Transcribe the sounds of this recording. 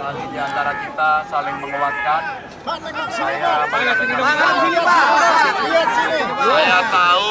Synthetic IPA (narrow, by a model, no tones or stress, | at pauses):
alidiant̪aɾakit̪asalɪŋməŋəwat̪̚kan | japailasinidoa | jat̪au